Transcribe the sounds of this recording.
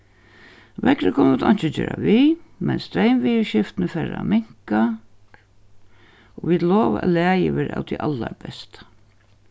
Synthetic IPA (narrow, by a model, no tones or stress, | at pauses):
ʋɛkɾəkʰʊnut̪ʰɔn̥t͡ʃɪt͡ɕøːɾaʋiːmɛnst̪ɾeɪmʋiːʃɪft̪nəfɛɾamɪŋ̥ka | ɔʋid̪lɔːʋaʔælæːjɪʋɛːɾa̰wt̪ʰiʔalːaɾbɛst̪